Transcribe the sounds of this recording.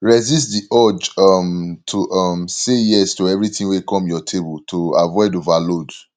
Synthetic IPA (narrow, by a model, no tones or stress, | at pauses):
ɹɛzistdiʔɔd͡ʒɔmtʰoʔɔmsejɛstoɛvɹitĩwekʰɔ̃mjɔtʰeboltʰoavɔɪdovalod